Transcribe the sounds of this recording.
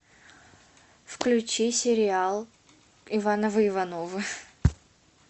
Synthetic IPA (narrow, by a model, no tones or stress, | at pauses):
fklʲʉt͡ɕisʲɪɾʲɪalˠ | ɪvanəvəɪvɐnovɨ